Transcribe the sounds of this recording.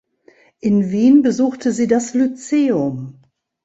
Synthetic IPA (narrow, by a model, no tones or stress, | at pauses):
ʔɪnviːnbəzuːxtʰəziːdaslyt͡seːʊm